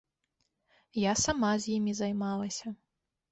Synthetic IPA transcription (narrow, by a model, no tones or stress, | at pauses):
jasamazʲjimʲizajmalˠɐsʲɐ